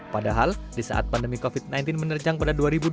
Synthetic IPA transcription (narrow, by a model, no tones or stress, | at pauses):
padaɦaldisa̰ʔa̰t̪̚pandəmikofit̪̚najnt̪ɪnmənərd͡ʒaŋpadaduaɾibu